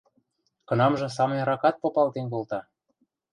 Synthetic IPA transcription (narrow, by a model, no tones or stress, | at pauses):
kɤ̆nɑmʒɤ̆s̬ɑmənʲɾɑkɑt̪̚popɑlt̪enkolt̪ɑ